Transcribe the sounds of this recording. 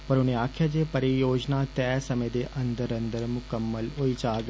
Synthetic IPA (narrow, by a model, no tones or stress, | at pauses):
pəɾʊnẽːaːkʰjaːd͡ʒeːpəɾijoːd͡ʒnaːt̪ɛːsəmẽːd̪eːʔənd̪əɾənd̪əɾmʊkəmːəlɦoiːt͡ʃaːɡ